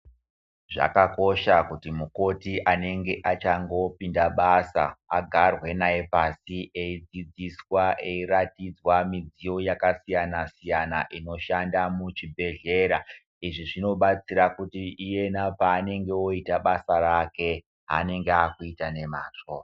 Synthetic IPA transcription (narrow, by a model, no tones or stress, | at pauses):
ʐa̰kako̞ʃakutimuko̞tiʔane̞ŋɡe̞ʔat͡ʃaŋɡo̞pindaɓasa̰aɡʱarwe̞naepasiʔe̞id͡zid͡ziswaʔeiratid͡zwamid͡zijo̞jakasijanasijanaʔino̞ʃandamut͡ʃibʱe̞ɮe̞ːɾa | iʐiʐino̞ɓat͡siɾakutiʔije̞napaːne̞ŋɡe̞o̞itaɓasaɾake̞ | ɦa̰ne̞ŋɡeakuitane̞maːt͡ʂoa